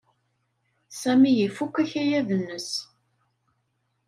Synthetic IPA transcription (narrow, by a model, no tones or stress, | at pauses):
sæmijifukʷːæçæjæðənːəs